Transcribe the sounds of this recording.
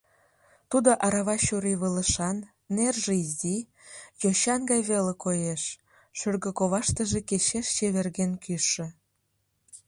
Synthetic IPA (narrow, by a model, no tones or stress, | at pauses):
t̪ud̪oʔɑɾɑβɑɕuɾiβələʃɑnː | erʒeizi | joɕɑnɡɑjβelekojeʃ | ʃørɣəkoβɑʃt̪əʒekeʃeʃt͡ɕeβerɣenkyʃːĕ